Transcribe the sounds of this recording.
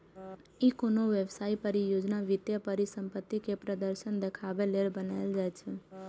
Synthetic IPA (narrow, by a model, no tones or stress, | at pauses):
ikonoʋeʋsaipəɾijod͡ʒnaʋɪt̪jəpəɾisəmpət̪ːikepɾəd̪əɾʃənd̪əkʰaʋeleɾbənaeld͡ʒajt͡ʃʰe